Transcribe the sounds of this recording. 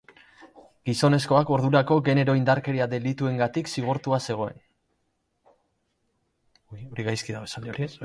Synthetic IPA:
ɡ̥iso̞ne̞sko̞ako̞ɾðuɾako̞ɣe̞ne̞ɾo̞ind̪aɾke̞ɾiaðe̞lit̪ue̞ŋɡat̪iksiɣ̞oɾt̪uase̞ɣ̞o̞e̞̰n | o̞ɾiɣajskiðaβe̞sald̪eoɾies

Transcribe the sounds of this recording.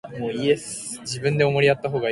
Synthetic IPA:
moːiesɨ̥ | d͡ʑibɯ̟̃nd̪e̞omo̞ɾʲiat̪ːaɦo̞ːɡa

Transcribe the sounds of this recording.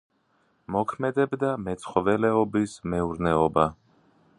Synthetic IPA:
mɔkʰmɛd̪ɛbd̪amɛt̪sχɔvɛlɛɔbismɛuɾnɛɔba

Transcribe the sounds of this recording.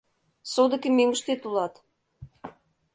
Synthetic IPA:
sod̪ĕkʲemeŋə̆ʃt̪et̪ulɑt̪

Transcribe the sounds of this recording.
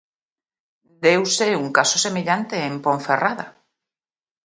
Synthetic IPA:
d̪ewseuŋkasosemeʎant̪eːmpoɱferaða̰

